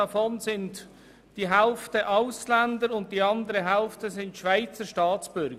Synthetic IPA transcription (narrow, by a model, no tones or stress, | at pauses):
afɔnzɪnt | d̥iːɦaʊftəʔaʊslɛndəɾʊnt̚d̥iːɑndəɾəɦaʊftəzɪntʃv̥aɪt͡səʃtɑːt͡sb̥ʏɾɡə